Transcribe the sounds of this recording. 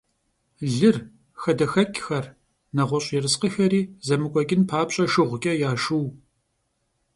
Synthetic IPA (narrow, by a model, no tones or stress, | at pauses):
ɮɨr | xɐdɐxɐkʲʰʼxɐr | nɐʁʷɔɕʼjɛrɨsqəxɐɾiːzɐmɨkʷʼɔkʲʼɪnpʰaːpɕʼɐʃɨʁʷkʲʼɐjaːʃuw